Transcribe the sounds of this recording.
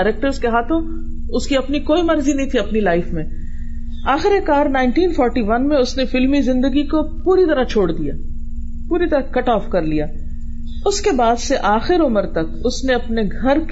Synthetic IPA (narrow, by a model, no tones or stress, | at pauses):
ɾeːk̚ʈəɾzkeɦaːt̪ʰõ | ʊskiɐpnikoːimɐɾzinɐɦĩt̪ʰiɐpnilaːɪfmẽ | aːxɪɾekaːɾnaːɪɳʈiːnfɔːɾʈiʋɐnmẽʊsnefɪlmizɪ̃nd̪əɡikopuːɾit̪ɐɾat͡ʃʰoːɽd̪ija̰ː | puːɾit̪ɐɾakɐʈɔːfkɐɾlijaː | ʊskebaːd̪seʔaːxɪɾʊməɾt̪ɐkʊsneɐpneɡʱɐɾk